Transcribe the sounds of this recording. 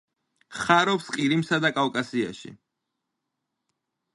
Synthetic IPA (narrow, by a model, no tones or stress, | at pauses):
χaɾɔpsqʼiɾimsad̪akʼawkʼasia̰ʃḭ